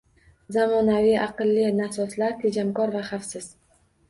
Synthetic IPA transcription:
zamɒnavijʔɑqɨlːinasɒt̪laɾt̪ʰed͡ʒamkɒɾvaχafsɪz̥

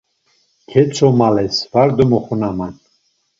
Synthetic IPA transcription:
kʰɛt͡sʰʼɔmalɛsvaɾd̪ɔmɔχunaman

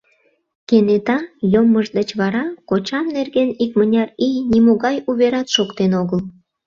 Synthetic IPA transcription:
kenet̪ɑjomːəʒd̪ət͡ɕβɑɾɑkot͡ɕɑmnerɣenikmənʲɑrijnimoɣɑjuβeɾɑt̪ʃokt̪enoɣəl

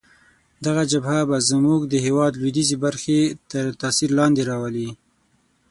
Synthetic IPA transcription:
d̪aɣad͡ʒabhabazmuɡd̪əɦewɑd̪lwid̪izebaɾxet̪əɾt̪ɑsiɾlɑnd̪eɾɑwəli

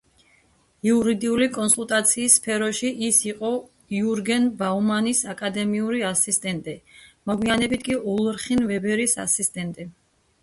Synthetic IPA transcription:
iuɾid̪iulikʼɔnsulˠt̪ʼat̪sʰiːsːpʰɛɾɔʃiʔisiqʼɔ | iuɾɡɛnbaumanisakʼad̪ɛmiuɾiasist̪ʼɛnt̪ʼimɔɡwianɛbit̪ʰkʼiulˠɾχinvɛbɛɾisa̰sist̪ʼɛnt̪ʼi

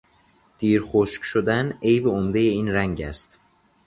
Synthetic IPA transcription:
d̪̥iːɾxoʃkʃod̪ænejbeomd̪ejeiːnɾæŋɟæ̰st̪

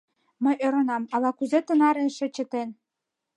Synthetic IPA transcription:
mə̆jʔøɾŏnɑmɑlˠɑkuzĕt̪ɤ̆nɑɾenʃĕt͡ɕə̆t̪en

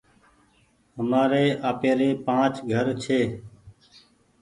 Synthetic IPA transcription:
ɦəmaːɾeːʔaːpeːɾeːpãːt͡ʃɡʱəɾt͡ʃʰeː

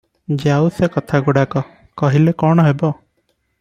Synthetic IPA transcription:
d͡ʒeawsekɔt̪ʰaɡuɽakɔ | kɔɦilekɔɽ̃ɔɦebɔ

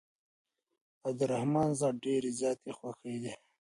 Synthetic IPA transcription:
abd̪əɾahmɑːnzɑːɖeɾizjɑːt̪exwaxed̪i

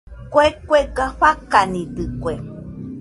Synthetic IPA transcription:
kwekweɡaɸakanĩd̪ɨkwe

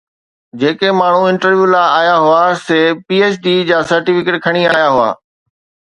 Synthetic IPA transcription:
d͡ʑeːkemaːɳ̤uɪ̃ɳʈəɾʋjuːlaːaːjaɦʊaseːpiːeːt͡ɕɖiːd͡ʑaːsɐɾʈiːfɪkeʈ̚kʰɐɽ̃iaːjaɦʊa̰ː

